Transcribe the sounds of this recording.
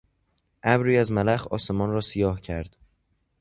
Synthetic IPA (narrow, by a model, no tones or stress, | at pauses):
ʔæbɾiːæzmælæxɒ̰ːse̞mɒːnrɒːsijɒːhcʰæɾd̪̥